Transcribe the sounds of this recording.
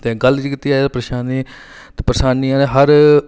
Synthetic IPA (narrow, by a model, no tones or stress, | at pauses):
t̪eːɡəld͡ʒiːkɪt̪ːiːaːed̪apɾəʃaːniː | t̪ːpɾəsaːniãːneːɦəɾ